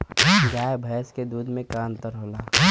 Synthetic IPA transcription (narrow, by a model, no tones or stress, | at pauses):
ɡaːjbʱɐsked̪uːd̪mẽkaːnt̪əɾɦola